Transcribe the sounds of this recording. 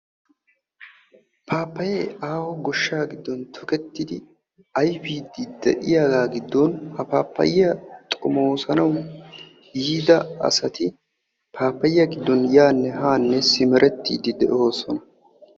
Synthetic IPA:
pʰaːpːɐjeːaːhɔɡɔʃːaːɡɪd̪ːɔnt̪ʰɔkɛt̪ːɪd̪ɪ | ɐjfiːd̪ɪd̪ɛʔɪjaːɡaːɡɪd̪ːɔnhɐpaːpːɐ̰jɪjɐt̪ʼʊmoːsɐnɐw | jiːd̪ɐɐ̰sɐt̪ɪ | pʰaːpːɐjɪjɐɡɪd̪ːɔnjaːnːɛɦaːnːɛsɪmɛɾʔɛt̪ːḭːd̪ɪd̪ɛʔo̞ːsɔnɐ

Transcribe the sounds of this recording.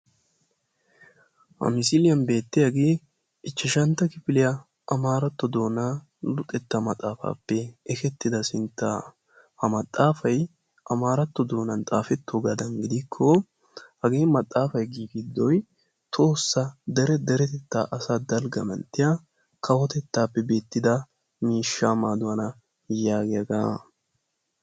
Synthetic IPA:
hɐ̰mɪsɪlɪjɐnbe̞ːt̪ːɪjaɡe | ɪt͡ʃːɪʃɐnt̪ːɐkɪfɪlɪjɐ | ʔɐmaːɾɐt̪ːɔd̪o̞ːna | lʊt̪ʼɛt̪ːɐmɐt̪ʼaːfa̰ːpːɛɛkɛt̪ːɪd̪ɐsɪnt̪ːa̰ː | hɐmɐt̪ʼːaːfɐj | ʔɐmaːɾɐt̪ːɔd̪o̞ːnɐnt̪ʼaːfɛt̪ʰːoɡɐd̪ɐŋɡɪd̪ɪkʰːɔ | hɐɡe̞ːnmɐt̪ʼːaːfɐjɡiːɡɪd̪ːɔj | t̪ʰo̞ːsːɐd̪ɛɾɛd̪ɛɾɛt̪ɛt̪ːa̰ːʔɐsaːd̪ɐlɡɐmɐ̰nt̪ːɪjɐ | kʰɐwɔt̪ɛt̪ːaːpːɛbe̞ːt̪ːɪd̪ɐ | miːʃːaːmaːd̪ʊwɐnɐ | jaːɡɪjɐɡaː

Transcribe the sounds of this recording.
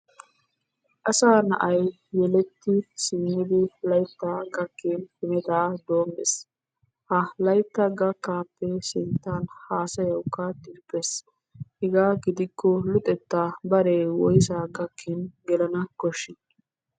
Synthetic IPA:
ʔɐsaːnɐ̰ʔɐj | jɛlɛt̪ːɪsɪnːɪd̪ɪlɐjt̪ːaɡɐkːenhɪmɛt̪aːd̪oːmːɛ̰s | hɐlɐjt̪ːɐɡɐkːaːpːɛsɪnt̪ːaːnhaːsɐjɐwkːɐt̪ɪːpːes | hɪɡaːɡɪd̪ɪkʰːɔlʊt̪ʼɛt̪ːabɐɾeːwɔjsaːɡɐkʰːɪnɡɛlɐnɐkɔʃːɪ

